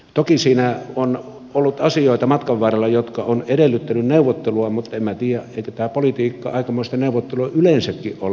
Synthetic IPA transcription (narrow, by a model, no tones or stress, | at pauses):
t̪okisiːnæon | olːut̪ɑsioˑit̪ɑmɑt̪kɑʋːɑˑrɑlːɑjot̪kɑonedelːyt̪ːænynneuʋːˑot̪ːeluɑmut̪emæt̪iːjæeˑikøt̪æːpolit̪iːkːɑ̰ɑˑikɑmoˑist̪ɑneuʋˑot̪ːeluɑʔylensækːiʔʔo̰